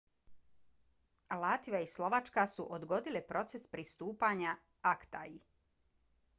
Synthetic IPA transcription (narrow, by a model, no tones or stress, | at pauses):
lat̪iaislˠo̞ʋat͡ʃkasuʔod̪ɡo̞d̪ilepɾo̞t̪se̞spɾist̪uːpaɲa | akt̪a̰i